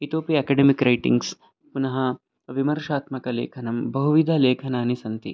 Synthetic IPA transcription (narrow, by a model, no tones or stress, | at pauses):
it̪oːpiɐkɐɖemikɾɐjʈḭŋɡs | punɐɦɐ | ʋimɐɾʂaːt̪mɐkɐlḛːkʰɐnɐmbɐɦuʋid̪ʱaːleːkʰɐnaːnisɐnt̪ḭ